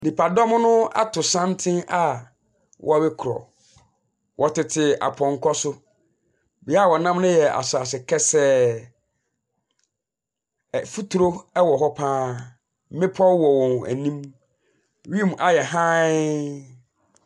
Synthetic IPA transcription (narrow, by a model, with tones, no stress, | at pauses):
nĩ˨pʰa˨dɔ̃˦m˦nʊ̃˦a̰˦tʰʊ˨sã˦ntʰɪ̃˦a˦ | wʔɔ̰˦a˨bɛ˦kʰʊ˨ɾɔ̰˨ | wʔɔ˨tɪ˨tʰɪ˨a̰˨pʰɔ̃˨ŋ˨kʰɔ˦sʊ˦ | bi˨˦a˦˨wɔ˨nã˦mnʊ̃˦jɛ˨a̰˨sʊ˨a˨sɪ˨kʰɛ˦sɛ˦˨ | fu˦tʰu˨ɾo˦ɛ˦wɔ˨ɦɔ˦pʰãː˦ | mɪ̃˦pʰɔ˦wɔ˨wɔ̃˨n˨æ̰˨nĩ˦m | ɥĩ˦˨mʔa˨jɛ˨ɦã˦